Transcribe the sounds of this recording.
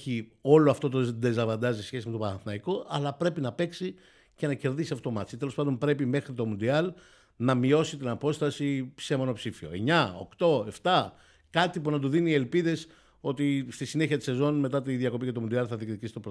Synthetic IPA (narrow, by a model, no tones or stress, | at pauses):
çio̞lo̞ɐft̪o̞t̪̬od̪ezɐvɐnd̪ɐzisesçe̞simet̪o̞pɐɐθnɐiko̞ʔɐ̰lɐpɾe̞pinɐpeksi | ce̞nɐce̞ɾðisiɐft̪o̞mɐt̪i̥sit̪e̞lo̞spɐnd̪mpɾe̞pime̞xɾit̪o̞mund̪iɐl | nɐmio̞sit̪inɐpo̞st̪ɐsise̞mo̞nopsifio̞̰e̞̰ɲɐo̞̰kt̪o̞e̞ft̪ɐ | kɐt̪ipunɐt̪uðinie̞lpiðe̞s | o̞t̪ist̪isine̞çiɐt̪i̥se̞zo̞nme̞t̪ɐt̪iðjiɐko̞pice̞t̪o̞mund̪eɐlθɐðikt̪icisit̪opɾ